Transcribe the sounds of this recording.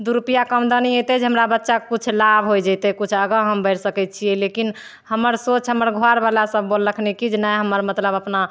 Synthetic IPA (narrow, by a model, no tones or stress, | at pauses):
d̪uɾupijakəmd̪əniet̪ɛd͡ʒeɦəmɾabətːʃakut͡ʃʰlabʱɦojd͡ʒət̪ɛkut͡ʃʰəɡə̃ɦəmbəɪɾsəkɛt̪̚t͡ʃʰiɛlekin | həməɾsot͡ʃʰɦəməɾɡʱoaɾbalasəb̚ːolːəkʰnekid͡ʒnajɦəməɾmət̪ləbəpna